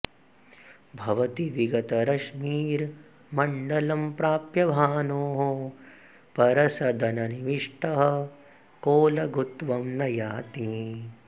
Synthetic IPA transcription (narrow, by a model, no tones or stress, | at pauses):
bʱɐʋɐt̪iʋiɡɐt̪ɐɾɐʂmiːɾ | mɐɳɖɐlɐmpɾaːpjɐbʱaːnoːɦo | pɐɾɐsɐd̪ɐnɐniʋiʂʈɐɦɐ | koːlɐɡʱut̪ʋɐmnɐjaːt̪i